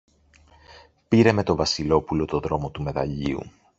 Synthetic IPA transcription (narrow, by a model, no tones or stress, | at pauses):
piɾe̞me̞t̪o̞vɐsilo̞pulo̞t̪o̞ðɾo̞mo̞t̪ume̞ðɐ̰ʎiṵ